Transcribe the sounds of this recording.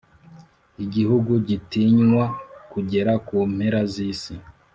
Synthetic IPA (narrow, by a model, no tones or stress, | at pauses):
iɟihuɡuɟitiɲŋwakuɟe̞ɾakuːm̥heɾaziːsi